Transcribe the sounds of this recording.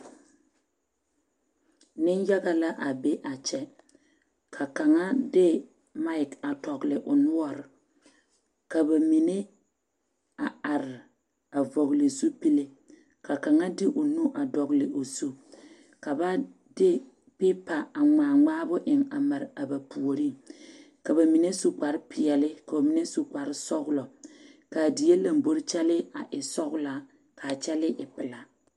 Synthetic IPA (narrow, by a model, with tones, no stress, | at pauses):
nɪ˦nja˦ɣa˨la˦ʔa˨be˦ʔa˨t͡ʃɛ˦ | kʰa˨ka˨ŋa˦dɪ˦ | ma˦ɪ˨ka˨tɔ˨ɡlɪ˨ʔʊ˨nʊ˦ɔ˦ɾɪ˨ | ka˨ba˨mi˨ne˦ | a˨a˨ɾɪ˨ | a˨vɔ˨ɣlɪ˨su˦pi˦le˦ | ka˨ka˨ŋa˦dɪ˦ʔʊ˨nu˦ʔa˨dɔ˨ɣlɪ˨ʔo˨su˦ | ka˨ba˦ | dɪ˦ | pɪ˦pa˨a˨ŋaː˨ŋ͡maː˦bʊ˦ʔɪ˨ŋa˨ma˨ɾɪ˨a˨ba˨pu˨o˨ɾi˦ | ka˨ba˨mi˨ne˦su˦k͡pa˨ɾɪ˦pɪ˨ɛ˨lɪ˦ka˨o˨mi˨ne˦su˦k͡pa˨ɾɪ˦sɔ˦ɣʊ˦lɔ˨ka˨di˨je˦la˨mbo˦ɾɪ˦t͡ʃɛ˦lɪ˦a˨ʔɪ˨sɔ˦ɣʊ˦la˨ | ka˨t͡ʃɛ˦lɪ˦ʔɪ˨pɪ˨la˨